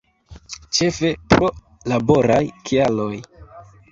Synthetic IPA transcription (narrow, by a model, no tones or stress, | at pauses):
t͡ʃe̞fe̞pɾo̞ | labo̞ɾajkʰialo̞j